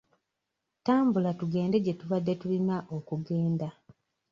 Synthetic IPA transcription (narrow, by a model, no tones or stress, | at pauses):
taːmbulatuɡe̞ːnde̞ɟetuβadːe̞tulinaʔokuɡe̞ːnda